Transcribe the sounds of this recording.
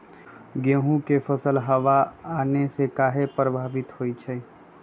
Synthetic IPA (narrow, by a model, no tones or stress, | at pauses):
ɡeːɦũkefʰəsəlɦɐʋaaːnesekaːɦepɾəbʱaːʋɪt̪hoːit͡ʃʰɛː